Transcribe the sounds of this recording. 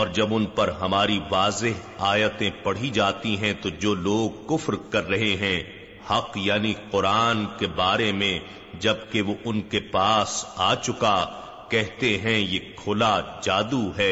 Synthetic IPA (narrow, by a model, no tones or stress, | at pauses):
ɔːɾd͡ʒɐbʊnpɐɾɦɐmaːɾiʋaːzɪɦ | aːjət̪ẽpɐɽ̤id͡ʒaːt̪iɦɛ̃t̪od͡ʒoːloːɡ̚kʊfɾkɐɾːɐɦeɦɛ̃ | hɐqjaːniqʊɾaːnkebaːɾemẽ | d͡ʒɐb̚keʋoʔʊnkepaːsaːt͡ʃʊka | kɛɦt̪eɦɛ̃jeːkʰʊlad͡ʒaːd̪uɦɛː